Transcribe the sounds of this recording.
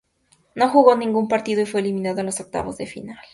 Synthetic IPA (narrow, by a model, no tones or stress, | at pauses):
no̞xuɣo̞nĩŋɡumpaɾt̪iðoifweːliminaðoenloso̞k̚t̪a̰βo̞zðe̞fḭnal